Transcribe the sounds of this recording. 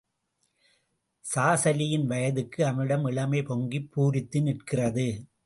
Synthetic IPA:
saːsɐlɪjɪnʋɐjɐðɯkːɯɐmɪɽɐmɪɭɐmɐɪpɔŋɡipʰːuːɾɪt̪ːɯnɪʈkɪrɐðɯ

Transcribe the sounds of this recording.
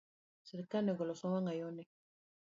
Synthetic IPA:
seɾikanɛɡɔlɔsɔwaŋɡajɔnɛ

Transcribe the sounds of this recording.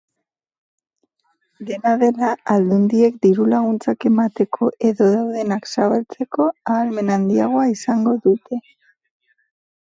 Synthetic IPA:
d̪e̞naðe̞laːld̪und̪ie̞kd̪iɾulaɣ̞unt͡sake̞mat̪e̞kʰo̞ʔe̞ðo̞ðawðe̞naksaβalt͡se̞ko̞aːlme̞nand̪iaɣ̞o̞aisaŋɡo̞ðut̪e̞

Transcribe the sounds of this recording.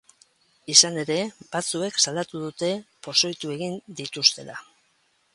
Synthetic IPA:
isane̞ɾe̞bat͡sue̞ksald̪at̪uðut̪e̞po̞so̞jt̪ue̞ɣind̪it̪ust̪e̞la

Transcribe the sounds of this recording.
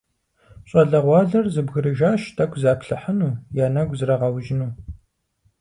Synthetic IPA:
ɕʼɐɮɐʁʷɑːɮɐrzɨbɣɨɾɨʒaːʃtʰɐkʷzaːpɬɨħənuːjaːnɐɡʷzɨɾɐʁɐwʒɪnuː

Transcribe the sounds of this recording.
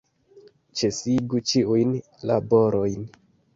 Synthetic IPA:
t͡ʃe̞siɡut͡ʃiujn | labo̞ɾo̞jn

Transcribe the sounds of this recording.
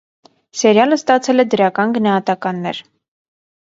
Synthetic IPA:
sɛɾjɑləst̪ɑt͡sʰɛlɛd̪əɾɑkɑnɡənɑhɑt̪ɑkɑnːɛɾ

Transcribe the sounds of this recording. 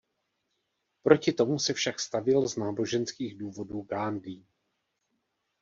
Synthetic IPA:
pɾo̞cɪt̪o̞musɛfʃakst̪avɪlznaːbo̞ʒɛnskiːɣduːvo̞duːɡaːndiː

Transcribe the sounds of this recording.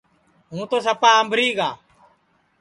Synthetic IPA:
ɦũːt̪oːsəpaːəmbʱɾiːɡaː

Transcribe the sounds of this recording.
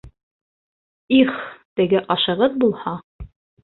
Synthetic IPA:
iχt̪ɘ̆ɡɘʔɑʃɤ̆ʁɤðbulˠhɑ

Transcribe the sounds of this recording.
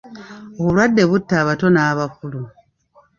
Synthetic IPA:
o̞βulwadːeβutːaːβato̞naːβakulu

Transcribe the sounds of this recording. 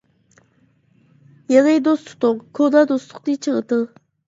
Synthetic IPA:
jəʁed̪ost̪ʰo̥χt̪okʰod̪ad̪ost̪ʰo̥χt̪it͡ʃʰəʁət̪ə

